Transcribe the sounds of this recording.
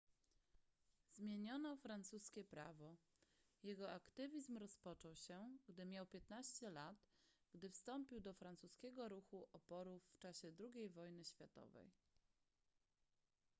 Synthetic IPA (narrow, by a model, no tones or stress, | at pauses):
zmʲjeɲɔnɔfɾant̪suskʲɛpɾavɔ | jɛɡɔʔakt̪ɘvʲizmɾɔspɔt͡ʂɔwɕɛɡd̪ɘmʲjawpʲjɛt̪naɕt͡ɕɛlat̪ | ɡ̥d̪ɘfst̪ɔmpʲiwd̪ɔfɾant̪suskʲɛɡɔɾuxuʔɔpɔɾufːt͡ʂaɕɛd̪ɾuɡʲejvɔjnɘɕfʲjat̪ɔ̰vɛ̰j